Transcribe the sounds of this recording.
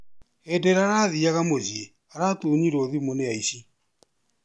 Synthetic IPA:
ɛdɛɾaɾaðiaɣamozie | aɾatoɲiɾoðimoneaisi

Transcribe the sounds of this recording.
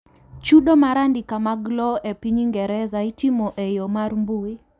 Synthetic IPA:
t͡ʃuɗomaɾandikamaɡlɔepiɲiŋɡɛɾɛzaitimoʔejomaɾmbue

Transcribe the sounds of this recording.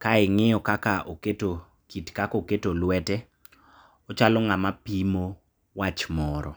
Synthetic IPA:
kaɪŋɪjɔkakaʔoketo | kitkakoketolwɛtɛ | ɔt͡ʃalɔŋamapimo | wat͡ʃmɔɾɔ

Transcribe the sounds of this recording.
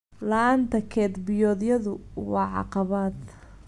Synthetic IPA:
lɐːnt̪ʰɐkʰɛːd̪bɪjɔːðjɐðʊwɑːʕɑ̰qɑβaːd̪

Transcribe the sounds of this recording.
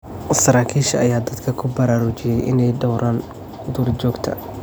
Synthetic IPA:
sɐɾaːkʰiːʃɐɐjaːd̪ɐd̪kʰɐkʰʊbɐɾaːɾʊt͡ʃɪjɛjʔɪ̰nɛjdɔwɾʔaːn | d̪uːrd͡ʒɔːɡt̪ʰɐ̰

